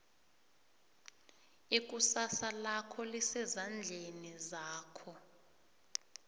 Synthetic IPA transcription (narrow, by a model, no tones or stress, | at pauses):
ik̬ʼusasalakʰɔlisɛzand͡ɮʱenizaːkʰɔ